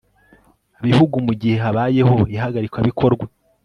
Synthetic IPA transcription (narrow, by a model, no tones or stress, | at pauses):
aβihuɡumuɟihe̞ɦaβaːje̞ho̞iɦaɡaɾikwaβikʰo̞ɾɡwe